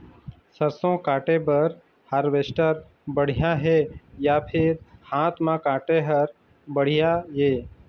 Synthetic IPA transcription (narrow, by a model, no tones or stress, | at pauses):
səɾsõkaːʈebəɾ | haɾʋeːsʈəɾ | bəɽ̤ijaɦejapʰɪɾhãːt̪ʰmãkãːʈeɦəɾ | bəɽ̤ijajeː